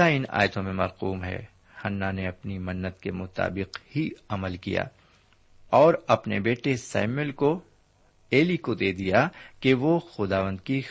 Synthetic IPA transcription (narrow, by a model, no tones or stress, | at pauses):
aɪna̰ːjt̪õmẽmɐɾquːmɦɛ̰ː | hɐnːaneɐpnimɐnːət̪kemʊt̪a̰ːbɪqhiɐməlkḭja̰ː | ɔːɾɐpnebeːʈesa̰ːmɪlko | eːlikod̪eːd̪ijakeʋoxʊd̪aːʋə̃nd̪ki